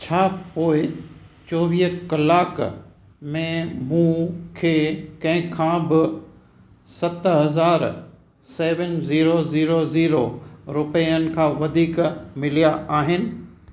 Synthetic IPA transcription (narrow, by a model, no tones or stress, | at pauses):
t͡ɕʰaːpoːɪt͡ɕɔːʋiːkɐlaːk | mẽmũkʰeːkɐ̃ɦɪ̃kʰãːbɪ | sɐt̪ɦɐzaːɾ | seːʋənziːɾoziːɾoziːɾoɾʊpɛənɪ̆kʰãːʋɐd̪ʱiːkmɪlijaʔaːɦɪnɪ̆